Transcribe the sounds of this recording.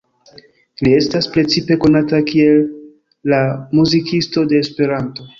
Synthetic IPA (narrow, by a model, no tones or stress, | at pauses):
lie̞staspɾe̞t͡sipe̞ko̞natakie̞lː | amuzikʰisto̞de̞ːspe̞ɾanto̞